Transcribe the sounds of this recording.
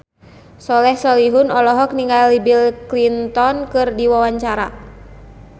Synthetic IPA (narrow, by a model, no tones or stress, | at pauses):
sɔlɛhsɔliɦunɔlɔɦɔk̚niŋɡalibilklint̪ɔnkɨrdiwawaɲt͡ʃaɾa